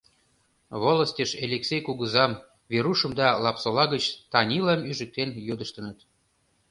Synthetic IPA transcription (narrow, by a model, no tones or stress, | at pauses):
βolə̆sʲtʲəʃelʲeksʲejkuɣəzɑm | βeɾuʃə̆md̪ɑlɑpsolɑɣət͡ɕt̪ɑnʲilɑmyʒə̆k̚t̪enjød̪əʃt̪ə̆nə̆t̪